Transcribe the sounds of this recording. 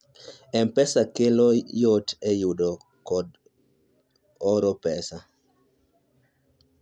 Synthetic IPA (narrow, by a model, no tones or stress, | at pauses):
ɛmpɛsakelɔjotɛjudɔ | kɔd | ɔɾɔpɛsa